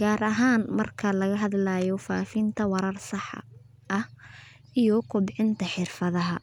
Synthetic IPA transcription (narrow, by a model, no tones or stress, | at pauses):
ɡaːɾɐɦaːnmɐrkʰɐlɐɣɐɦɐðlajɔfaːfɪnt̪ʰɐwɐɾɐrsɑħ | ʔɐh | ijɔkʰʊbʕɪnt̪ʰɐħɪrfɐðɐɦɐ